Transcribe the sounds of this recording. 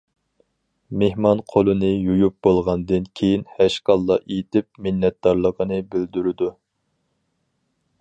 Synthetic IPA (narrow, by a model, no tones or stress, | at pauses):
mehmɑnqʰolˠɨnɨjujup̚bolˠʁɑnd̪ɨnkʲʰejinhæʃqɑlˠːɑʔet̪ɪp̚mɪnːɛt̪̚d̪ɑɾlˠəqʰənɨbɪld̪yɾɪd̪u